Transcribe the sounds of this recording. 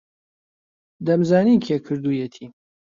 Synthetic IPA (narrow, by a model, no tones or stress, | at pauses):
d̪ɐmzaːniːkʰekʰɨɾd̪ujet̪ʰiː